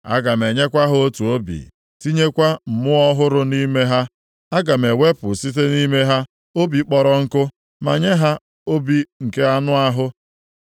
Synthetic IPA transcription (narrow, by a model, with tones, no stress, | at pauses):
a̰˦ɡa˨me˨ɲe˦kʷa˦ɦʊ˦o˦tu˨o˦bḭ˨ | ti˦ɲe˦kʷa˦m̩˨mʊ˦ɔ˦ɦʊ˦ɾʊ˦ni˦me˦ɦa˦ | a˦ɡa˨me˨we˦pʊ˨si˦te˦ni˦me˦ɦa˦ | o˦bi˨k͡pɔ˨ɾɔ˦ŋ̩˦kʊ˦ | ma̰˨ɲe˦ɦa˦ | o˦bi˦ŋ̩˨ke˦a˦nʊ˦a˦ɦʊ˦